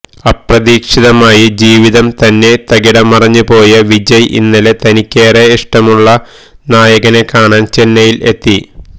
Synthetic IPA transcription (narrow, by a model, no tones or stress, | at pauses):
ɐprɐðiːkʂiðɐmaːjid͡ʑiːʋiðɐmt̪ɐnːe̞t̪ɐɡiɽɐmɐrɐɲːupo̞ːjɐʋid͡ʑɐjʔḭnːɐlet̪ɐnikʲːeːreiʂʈɐmuɭːɐ | naːjɐɣɐne̞kːaːɳaːnt͡ɕe̞nːɐjile̞̰t̪ːi